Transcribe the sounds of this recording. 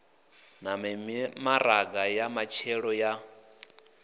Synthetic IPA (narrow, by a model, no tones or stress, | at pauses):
namɛmimaɾaɡajamat͡ʃʰɛɺɔja